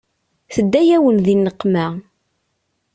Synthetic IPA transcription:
θəd̪ːæjæwənðinːəqːmæ

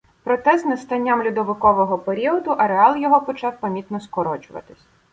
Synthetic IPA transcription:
pɾɔt̪ɛznɐst̪ɐnʲːamlʲʊd̪ɔʋɪkɔʋɔɦɔpeɾʲiɔd̪ʊʔɐɾeɑlˠjɔɦɔpɔt͡ʃɑwpɐmʲit̪nɔskɔɾɔt͡ʃʊʋɐ̰t̪ɪsʲ

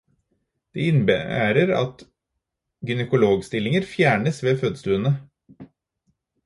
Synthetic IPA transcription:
d̪̥ḛːɪnbəæ̰ːɾəɾɑ̰t̪ | ɡʏnɛkʊloːɡst̪ɪlːɪŋəɾfjæːɳəsʋeːføːd̪st̪ʉːənə

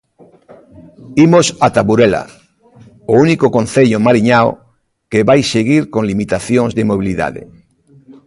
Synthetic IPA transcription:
imosat̪aβuɾela̰ | ounikokon̟θeʎomaɾiɲao̰ | keβajseɣ̞iɾkõnlimit̪aθjoŋzðemoβ̞iliða̰ðḛ

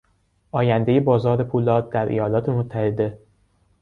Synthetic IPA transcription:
ʔɒːjænd̪eje̞bɒːzɒːɾepʰuːlɒːd̪̚d̪æɾʔejɒːlɒːt̪ʰe̞mot̪ʰːæhe̞d̪e̞

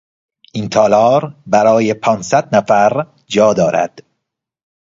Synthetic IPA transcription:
ʔint̪ʰɒːlɒːɾbæɾɒːjepʰɒːnsæd̪næfæɾ | d͡ʒɒːd̪ɒːɾæ̰d̪̥

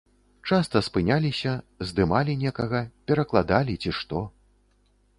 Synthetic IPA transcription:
t͡ʂast̪ɐspɨnʲalʲisʲɐ | zd̪ɨmalʲinʲɛkɐɣɐpʲɛɾɐklˠad̪alʲit͡sʲiʂt̪ɔ

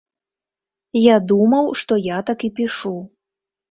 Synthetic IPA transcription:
jad̪umɐwʂt̪ɔjat̪akipʲiʂu

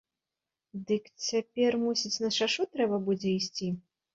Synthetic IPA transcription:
d̪ɨkt͡sʲapʲɛrmusʲit͡sʲnɐʂaʂut̪ɾɛbɐbud͡zʲɛisʲt͡sʲi

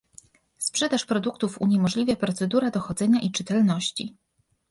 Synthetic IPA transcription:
spʂɛd̪aʂpɾɔd̪ukt̪ufṵɲɛmɔʐlʲivʲjapɾɔt̪sɛd̪uɾad̪ɔxɔd̪zɛɲaʔit͡ʂɘt̪ɛlnɔɕt͡ɕḭ

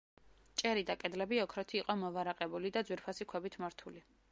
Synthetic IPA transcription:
t͡ʃʼɛɾid̪akʼɛd̪lɛbiɔkʰɾɔt̪ʰiːqʼɔmɔvaɾaqʼɛbulid̪ad̪zwiɾpʰasikʰwɛbit̪ʰmaɾt̪ʰuli

